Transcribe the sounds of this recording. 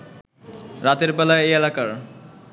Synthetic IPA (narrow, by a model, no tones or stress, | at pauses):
ɾat̪eɾbɛlaejelakaɾ